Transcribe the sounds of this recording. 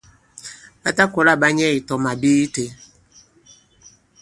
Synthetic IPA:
a˦ta˦kɔ˨ɾa˦˨ba˦ɲe˦i˨tɔ˨ma˨bi˦i˦te˨

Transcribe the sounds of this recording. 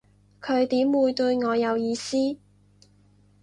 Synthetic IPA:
kʰɵ˨˧ɥt̪iː˨˥mwuː˨˧jt̪ɵ˧ɥŋɔː˨˧jɐ˨˧wjiː˨˧siː˥

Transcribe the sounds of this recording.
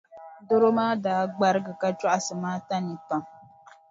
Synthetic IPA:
do˦ɾo˦maː˦daː˨˦ɡ͡ba˦ɾɨ˦ɡɨ˨ka˦t͡ʃɔ˦ʔa˨sɨ˨maː˦ta˦ni˨pa˨ŋ

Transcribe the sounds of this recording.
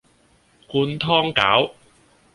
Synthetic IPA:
kuː˧nt̪ʰɔː˥ŋka̰ː˨˥w

